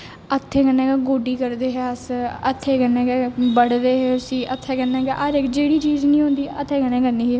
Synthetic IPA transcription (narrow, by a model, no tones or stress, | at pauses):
ət̪ʰːeːkənɛ̃ːkɛːɡoːɖiːkəɾd̪eːɦɛəsət̪ʰːeːkənːẽːkɛbəɽd̪eːɦɛːʊsĩːʔət̪ʰːɛːkənːɛ̃ːkɛːʔaɾekd͡ʒeːɽiːt͡ʃiːznĩːɦõːnd̪iːət̪ʰːeːkənɛ̃ːkənːiːɦɛː